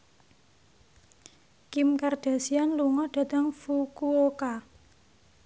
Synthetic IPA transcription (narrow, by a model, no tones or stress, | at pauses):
kimkard̥a̤sianluŋɔɖ̪̥a̤t̪əŋfukuoka